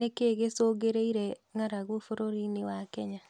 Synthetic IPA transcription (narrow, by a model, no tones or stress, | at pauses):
ekeɣesoɡeɾeiɾɛŋaɾaɣofoɾoɾinewakɛɲa